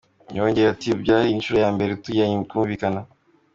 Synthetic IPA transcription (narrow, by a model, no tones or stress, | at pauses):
ɲoːɲɟeatibɟaːhiːnʃuɾejaːmbe̞ɾetujaɲikuːɱvikana